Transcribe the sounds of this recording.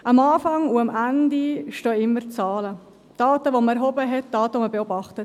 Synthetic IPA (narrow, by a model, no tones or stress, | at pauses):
ʔɑmɑːfɑŋuɑmʔændiʃtøːɪmːəɾt͡sɑːlə | d̥ɑːtəʋoməɛɾɦɔbəɦɛt̚d̥ɑːtəʋoməbɛɔbɑχtət